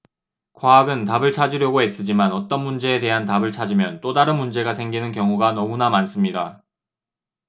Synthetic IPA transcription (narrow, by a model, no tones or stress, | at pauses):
kwaːɡɯntabɯɭt͡ɕʰad͡ʑiɾjʌɡoes͈ɯd͡ʑimanʌt͈ʌnmund͡ʑe̞ːte̞ɦantabɯɭt͡ɕʰad͡ʑimjʌnt͈odaɾɯnmund͡ʑe̞ɡasʰe̞ŋɡinɯnkjʌŋuɡanʌmunamans͈ɯmɲida